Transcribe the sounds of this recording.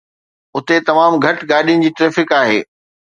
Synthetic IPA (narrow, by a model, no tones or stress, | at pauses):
ʊt̪et̪ɐmaːmɡʱɐʈɡaːɗijʊnɪ̆d͡ʑiːʈɾeːfɪkaːɦeː